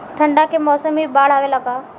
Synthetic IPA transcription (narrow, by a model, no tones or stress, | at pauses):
ʈʰəɳɖakemɔsəmibaːɭ̤aʋelaka